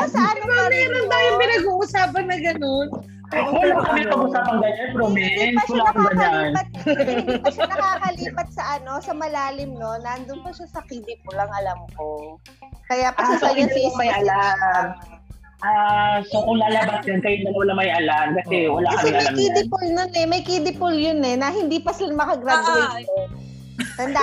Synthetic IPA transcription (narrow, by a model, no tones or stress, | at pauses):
ɐsɐaːamɛɾond̪aːjʊnpɪnɐɡuːʔʊsaːpɐnːɐɡɐno̞n | wwɐlakɐmɛpɐɡʊsaːpɐŋɡɐɲanpɾomɛnwɐlakʊɡɐɲanɐt̪̚pɐʃnɐkaːkɐliːpɐt̪̚sɐʔɐno̞sɐmɐlaːlɪmno̞nɐʔɐnd̪ʊnpɐʃasɐkid̪ɪp̚olɐŋʔɐlɐmko̞ | kɐjapɐsɛsajʊnɐɪsmɐjɐla | ʔasokʊŋlaːlɐbasjɐnkɐjɪnd̪ɐlɐwɐlamɐjʔɐlamkɐsɛwɐlakɐɐɛamɐjakid̪ɪpʊlnonɛmɐjkid̪ɪpʊljonɛnɐhɪnd̪iːpɐsɪlɐmɐkɐɡɾad̪ʊɐno | sɐnd̪a